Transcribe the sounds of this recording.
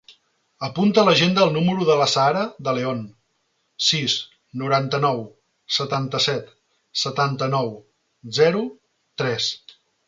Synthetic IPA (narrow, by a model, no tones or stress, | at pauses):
əpunt̪ələʒend̪əːlˠnuməɾuðələsaɾəðəleon | siz | nuɾant̪ənɔw | sət̪ant̪əsɛt̪ | sət̪ant̪ənɔw | zɛɾu | t̪ɾɛs